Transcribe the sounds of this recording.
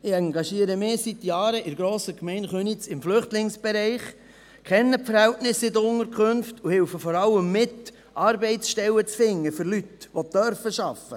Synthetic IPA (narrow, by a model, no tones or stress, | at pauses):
ɪɑŋɡɑʃiəɾəmɪːsit̪jɑːɾəʔɪɾɡɾoːsəkmɛɪnχønit͡sɪmflʏχtlɪŋsb̥ɛɾɛɪχ | kʰɛnːəpfəɾhɛltnɪsɪdəɾʊŋəɾkʰχønftʰuhɪwfəfɔɾɑlːəmːɪt | ʔɑɾbɛɪtsʃtɛlːət͡sfɪŋːəfʏɾlytʋodœɾfəʃɑfə̰